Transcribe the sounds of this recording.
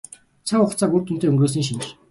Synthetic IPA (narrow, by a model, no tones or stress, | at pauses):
t͡sʰaʊχt͡sʰaːɡurt̪ɵnt̪ʰeːɵŋɡoːs̬ĭːŋʃ̬in̆